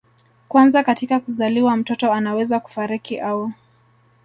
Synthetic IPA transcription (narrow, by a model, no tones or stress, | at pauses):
kwanzakatikakuzaliwam̩tɔtɔanawɛzaku̥faɾikiʔau